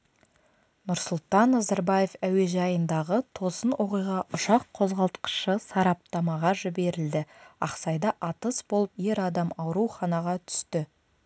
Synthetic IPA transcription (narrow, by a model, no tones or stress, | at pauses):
nʊɾsʊlˠt̪ɑnːɑzɑɾbɑje̞fæwe̞ʒɑjənd̪ɑʁət̪ʰo̞sənwo̞qijʁɑʔʊʃɑqʰːo̞zʁɑlˠt̪qə̥ʃəsɑɾɑp̚t̪ɑmɑʁɑʒɪbe̞ɾɪld̪ɪɑ̰qsɑjd̪ɑʔɑt̪əsbo̞lˠəpje̞ɾɑd̪ɑmɑwɾuwχɑnɑʁɑt̪ʰʏ̥st̪ɪ